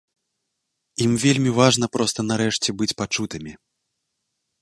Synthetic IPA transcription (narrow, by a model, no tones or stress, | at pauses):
imvʲelʲmʲivaʐnɐpɾɔst̪ɐnaɾɛʂt͡sʲɛbɨt͡sʲpat͡ʂut̪ɨmʲi